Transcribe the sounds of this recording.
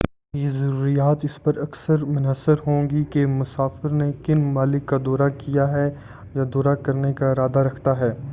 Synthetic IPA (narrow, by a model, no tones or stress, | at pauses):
jezɐɾuːɾijaːt̪ɪspɐɾɐksəɾmʊnasəɾɦõːŋɡikemʊsaːfɪɾnekɪnmaːlɪkːad̪ɔːɾakijaɦɛ | jad̪ɔːɾakɐɾnekaɪɾaːd̪aɾɐkʰt̪aɦɛː